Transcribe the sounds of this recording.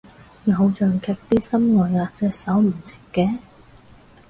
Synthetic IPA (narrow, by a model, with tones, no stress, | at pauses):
ŋɐ˨˧wt͡ʃœː˨ŋkʰɛː˧k̚t̪iː˥sɐ˥mŋɔː˨˩jŋaː˨˧t͡sɛː˧sɐ˨˥wm̩˨˩t͡sɪ̥˨kːɛː˧